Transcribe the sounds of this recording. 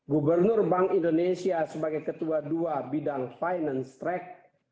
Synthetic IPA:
ɡubərnʊrbaŋindonesiasəbaɡajkət̪uaduabidaŋfajnanst̪ɾɛk̚

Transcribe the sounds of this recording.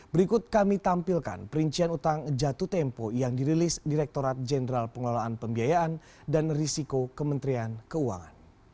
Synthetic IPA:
bəɾikʊt̪̚kamit̪ampilka̰npəɾiɲt͡ʃianut̪aŋd͡ʒat̪ut̪ɛmpojaŋdiɾilisdiɾɛk̚t̪oɾat̪̚d͡ʒɛnəɾalpəŋəlolaːnpəmbiajaʔan | danrisikokəmənt̪ɾiankəua̰ŋa̰n

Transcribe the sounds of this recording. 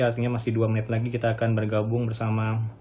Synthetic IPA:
art̪iɲamasɪhduamənɪt̪laɡikit̪aːkanbərɡabʊŋbərsama

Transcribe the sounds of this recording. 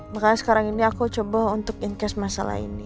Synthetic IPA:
makanasə̥kaɾaŋiniakut͡ʃobaɦunt̪ʊkiŋkɛsmasa̰la̰hḭni

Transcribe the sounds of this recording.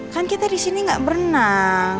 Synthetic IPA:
kankit̪adisiniŋɡaʔbərna

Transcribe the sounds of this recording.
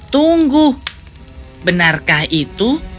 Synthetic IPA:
t̪uŋɡu | bənarkahit̪u

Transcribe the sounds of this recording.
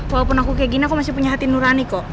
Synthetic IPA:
fapunakukɛɛɡinakɔmasipuɲaɦat̪inuɾanikɔ

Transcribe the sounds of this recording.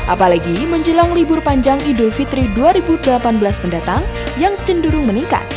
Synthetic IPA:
ʔa̰palaɡiməɲd͡ʒəlaŋlibʊrpaɲd͡ʒaŋidʊlfit̪ɾiduaɾibudəlapanbəlaspəndat̪aŋjaŋt͡ʃənduɾʊŋməniŋka̰t̪̚

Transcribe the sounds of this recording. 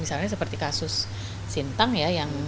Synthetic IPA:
misalɲas̬əpərt̪ikasʊsː | int̪aŋjajaŋ

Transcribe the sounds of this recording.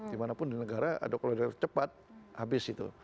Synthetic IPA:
dimanapʊndinəɡaɾaa̰dakaloadat͡ʃəpat̪̚habɪsit̪ṵ

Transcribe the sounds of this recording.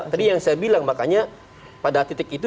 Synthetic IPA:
t̪adijaŋsajabilaŋmakaɲa | padaːt̪it̪ɪkit̪̬u

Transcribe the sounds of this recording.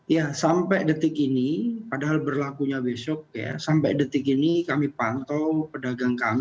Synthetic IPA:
jasampɛdət̪ɪkinipadaɦalbərlakuɲabesɔk̚ja̰sampɛdət̪ɪkinikamipant̪ɔwpədaɡaŋkami

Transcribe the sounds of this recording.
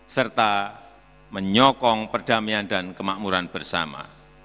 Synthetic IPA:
sərt̪a | məɲɔkɔŋpərd̥amiandankəmaʔmuɾanb̥ərsa̰ma̰

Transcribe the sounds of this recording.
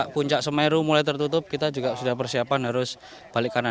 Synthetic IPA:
aʔpuɲt͡ʃaʔsəmɛɾumulajt̪ərt̪ut̪ʊp̚kit̪ad͡ʒuɡaʔsudahpərsiapanɦaɾʊs | b̥alɪkːana

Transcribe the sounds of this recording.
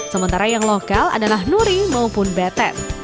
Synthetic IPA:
səmənt̪aɾajaŋlokala̰dalahnuɾimaupʊnbɛt̪ɛ̰t̪̚

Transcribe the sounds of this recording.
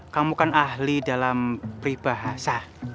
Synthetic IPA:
kamukanahlidalampɾib̥aɦasa

